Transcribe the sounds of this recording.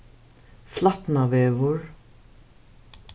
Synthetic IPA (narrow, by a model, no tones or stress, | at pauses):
flat̪navɛːvʊɹ